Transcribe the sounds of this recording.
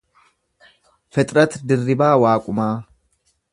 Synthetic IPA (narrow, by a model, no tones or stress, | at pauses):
fɛt̪ʼɾɐt̪d̪ɪrːɪbaːwaːkʼʊmaː